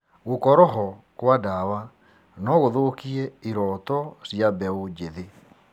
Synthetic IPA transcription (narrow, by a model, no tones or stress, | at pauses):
ɣokɔɾɔɦɔkwadawa | nɔɣoðokiɛiɾɔtɔsjabɛod͡ʒeðe